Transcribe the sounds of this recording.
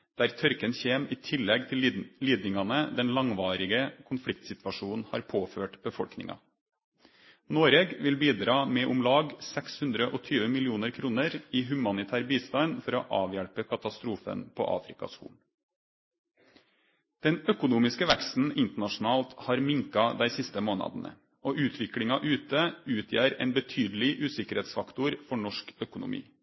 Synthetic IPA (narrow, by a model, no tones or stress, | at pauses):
d̪̥æːɾt̪ʰœɾkənçeːmiːt̪ʰɪlːɛɡt̪ʰɪlliːd̪nɪŋɑnəd̪ɛnlɑŋʋɑːɾɪɡəkʰʊnflɪk̚t̪sɪt̪ʋɑʂuːn̩hɑ̰ːɾpʰoːføːʈb̥əfɔɽknɪ̰ŋʔɑ̰ | noːɾeːɡʋɪlbiːd̪ɾɑːmɛːʔʊmlɑːɡsɛkshʉnd̪ɾəʔɔt̪ʰyːʋəmɪlɪuːnəɾkʰɾuːnəɾiːɦʉmɑnɪt̪ʰæːɾbiːst̪ɑɪnfɔɾoʔɑːʋjæɽpəkʰɑt̪ɑst̪ɾuːfə̰npʰo̰ːʔɑ̰ːfɾɪkɑ̰skṵːn̩ | d̪̥ɛnœkʊnuːmɪskəʋækst̪n̩ɪnt̪əɳɑʂn̩ɑːlt̪hɑːɾmɪŋkɑd̪æɪsɪst̪əmoːnɑ̰d̪ənə̰ | oːʔʉːt̪ʰʋɪklɪŋɑʔʉːt̪əʉːt̪ʰjæːɾḛːnbət̪ʰyːd̪l̩ɪʔʉːsɪkəɾheːt̪sfɑkt̪ʊɾfɔɳɔʂkœkʊnʊ̰mḭː